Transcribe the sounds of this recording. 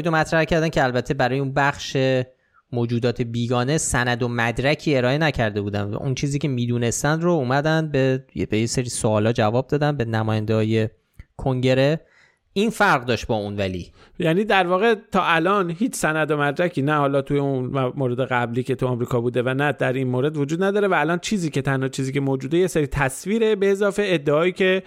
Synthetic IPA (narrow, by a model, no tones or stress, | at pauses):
id̪omæt̪ʰɾæhcʰæɾd̪æncʰeælbæt̪ʰːe̞bæɾɒːjeunbæχʃe̞ | moːd͡ʒuːd̪ɒːt̪ʰe̞biːɡɒːne̞sænæd̪omæd̪ɾæcʰiːe̞ɾɒːe̞næcʰæɾd̪e̞buːd̪æ̰nvæ̰ʔunt͡ʃʰiːziːcʲʰe̞miːd̪uːne̞st̪ænd̪ɾouːmæd̪ænd̪̚bebejeseɾiːsoɒːlɒːd͡ʒævɒːb̚d̪ɒːd̪ænbe̞næmɒːjænd̪ehɒːje̞ | kʰo̞ŋɟe̞ɾe | iːnfæɾʁd̪ɒːʃt̪̚bɒːunvælḭː | jæniːd̪æɾvɒːɣe̞t̪ʰɒːʔælɒːnhiːt͡ʃʰsænæd̪o̞mæɾd͡ʒæcʰiːnæhɒːlɒt̪ʰujeunmoːɾe̞d̪eɣæbliːcʰe̞t̪ʰuɒmɾiːkʰɒːbuːd̪e̞vænæd̪æɾinmoːɾe̞d̪vod͡ʒuːd̪næd̪ɒːɾe̞væːlɒːnt͡ʃʰiːziːce̞t̪ʰænhɒːt͡ʃʰiːziːcemoːd͡ʒuːd̪ejeseɾiːt̪ʰæsviːɾebe̞ːzɒːfe̞eːd̪ːeɒːiːcʰe̞